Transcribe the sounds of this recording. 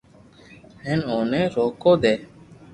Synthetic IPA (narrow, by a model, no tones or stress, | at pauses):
hɛnoːneːɾoːkoːd̪eː